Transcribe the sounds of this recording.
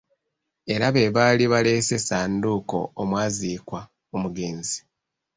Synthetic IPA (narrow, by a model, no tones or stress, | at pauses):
e̞ɾaβe̞βaːliβale̞se̞saːnduːko̞̰ːmwaːziːkwa | omuɡe̞ːnzi̥